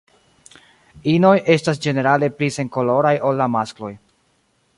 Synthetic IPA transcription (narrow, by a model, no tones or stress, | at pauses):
ino̞je̞stas̬d͡ʒe̞ne̞ɾale̞plise̞ŋko̞lo̞ɾajo̞lːamasklo̞j